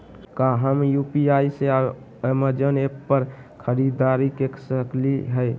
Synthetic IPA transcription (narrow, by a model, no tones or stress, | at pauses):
kaɦəmjupiaisea | əməd͡ʒənepːəɾ | kʰəɾid̪aɾikeksəkliɦəj